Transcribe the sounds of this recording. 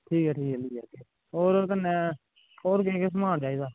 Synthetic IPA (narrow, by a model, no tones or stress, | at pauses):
ʈʰiːkɛːʈʰiːkɛliːɛːke | oːɾkənːeː | oːɾk̬eːkes̬əmãːɳd͡ʒaːiːd̪aː